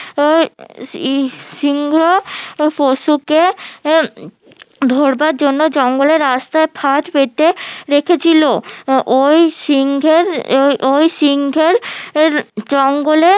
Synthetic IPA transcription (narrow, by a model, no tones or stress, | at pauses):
siŋɡʱɾofoʃuke | d̪ʱoɾbaɾd͡ʑonːod͡ʑɔŋɡoleɾːast̪aepʰat̪pet̪eɾekʰet͡ɕʰiloʔojsiŋɡʱeɾojʃiŋɡʱeɾɾd͡ʑɔŋɡole